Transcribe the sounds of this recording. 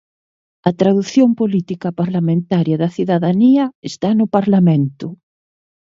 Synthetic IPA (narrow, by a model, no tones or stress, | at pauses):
ɐt̪ɾaðuθjompolit̪ikɐpaɾlamẽnt̪aɾjɐðɐθiðaðaniɐest̪anʊpaɾlamẽnt̪ʊ